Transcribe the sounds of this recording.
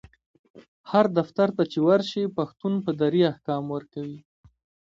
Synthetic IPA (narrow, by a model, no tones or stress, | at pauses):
haɾd̪aft̪aɾt̪at͡ʃewaɾʃipaxt̪unpəd̪aɾiahkɑmwəɾkawi